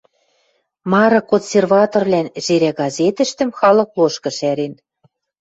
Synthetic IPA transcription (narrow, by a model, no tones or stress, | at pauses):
mɑɾɤ̆konsʲervɑt̪orβlænʒ̥eɾæɡɑzet̪ə̆ʃt̪ə̆mxɑlɤ̆kloʃkɤ̆ʃæɾen